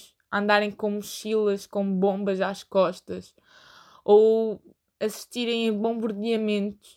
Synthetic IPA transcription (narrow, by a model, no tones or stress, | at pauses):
ʃ | ɐ̃nd̪aɾẽj̃kõmuʃilˠɐʃkõbõmbɐzaʃkɔʃt̪ɐʃ | ow | ɐsi̥ʃt̪iɾẽj̃ɐ̃βõmbɐɾðiɐmẽnt̪u̥